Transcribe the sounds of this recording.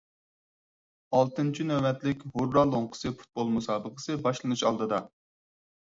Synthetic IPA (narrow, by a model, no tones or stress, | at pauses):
ɑlˠt̪ɨnt͡ʃʰinɛɛt̪lɪkʲhoɾːɑlˠoɴqʰə̥sɨfʰu̥t̪̚bolˠmusɑːbəqʰəsɨbɑʃlˠɨnuʃɑlˠd̪ɨd̪ɑ